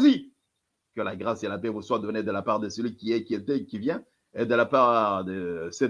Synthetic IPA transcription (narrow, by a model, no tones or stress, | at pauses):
zi | kəlaɡʁaselapɛvuswad̪ɔned̪əlapaʁd̪əsəlɥikʲiɛkʲiet̪ɛkʲivjɛ̃ | ed̪əlapaʁd̪əsɛ